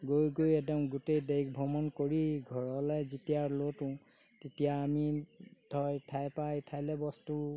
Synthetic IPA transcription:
ɡojɡojɛdɔŋɡutejdejk̚bʱɔmɔnkoɹiɡʱɔɹɔlɛzitijalotʊ̃ | tetijaːmid̥ʱɔjtʰajpajtʰajlɛbɔstu

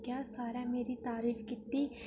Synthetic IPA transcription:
kjaːsaːɾameːɾit̪aːɾiːfkɪt̪ːiː

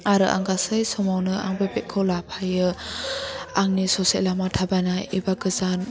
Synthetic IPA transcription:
aɾɯʔa̰ŋɡasɯjsɔmawnɯaŋbebeʔ̚kʰɯwlapʰajɯ | aŋnisɔselamatʰabajnaibaɡɯzan

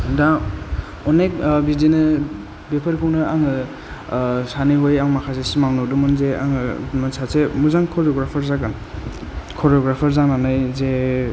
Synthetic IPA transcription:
da | ɔnek̚bidinɯ | bepʰəɾkʰɯwnɯaŋɯ | saniɦojaŋmakʰasesimaŋnɔdumɯnzeʔa̰ŋɯmɯsʰasemuzaŋkʰɔɾɔɡɾapʰaɾzaɡan | kʰɔɾɔɡɾapʰaɾzaŋnanajze

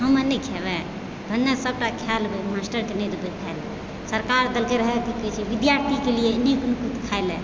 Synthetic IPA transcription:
ɦəmənəkʰebɛ | bʱənːasəb̚ʈakʰjalbemasʈəɾkeneɾəbekʰaelɛ | səɾkaɾd̪əlkeɾəɦɛkiket͡ʃʰiʋid̪jaɾt̪ʰikelieniknukut̪kʰaelɛ

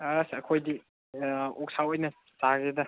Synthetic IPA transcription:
asɐkʰojdi | ɔk̚sawɔjnɐ | saɡedɐ

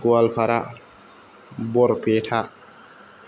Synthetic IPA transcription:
ɡɔalpaɾa | bɔɾpɛtʰa

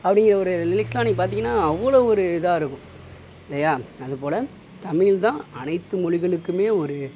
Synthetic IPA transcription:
ɐpːɐɽɪŋɡɪɾɐɔɾɯlɪlɪkslãːniːŋɡɐpaːɾt̪iːŋɡɐnːaːɐʋːɐɭoːɔɾɯɪðãːɪɾɯkːʊ̃ | ɪlːɐjaːɐðɯpoːlɐ | t̪ɐmɪlt̪ãːɐnɐɪt̪ːɯmɔɻɪɣɐɭɯkːɯmeːɔɾɯ

